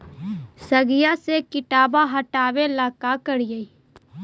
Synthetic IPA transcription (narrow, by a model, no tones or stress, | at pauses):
səɡɪjasekɪʈaːbaɦəʈaːʋelaːkakəɽijəi